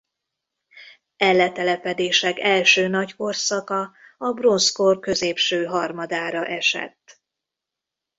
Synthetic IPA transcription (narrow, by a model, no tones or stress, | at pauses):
ɛlːɛt̪ɛlɛpɛd̪eːʃɛkɛlʃøːnɒcko̞rsɒkɒɒbro̞nskorkø̞zeːpʃøːɦɒrmɒd̪aːɾɒʔɛʃɛ̰t̪ː